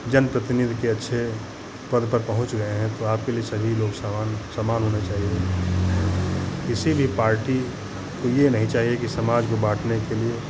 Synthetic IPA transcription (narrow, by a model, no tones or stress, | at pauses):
d͡ʒənpɾət̪ɪnɪd̪ʱkeɐtːʃʰe | pɐd̪ʱpɐɾpɐɦʊ̃t͡ʃɡɐeɦɛ̃t̪oaːp̚keliesɐbʱiloːɡssamaːnɦoːnet͡ʃaːɦie | kɪsibʱipaːɾʈi | kojenɐɦĩt͡ʃaːɦiekisɐmaːd͡ʒkobaːʈʰnekelie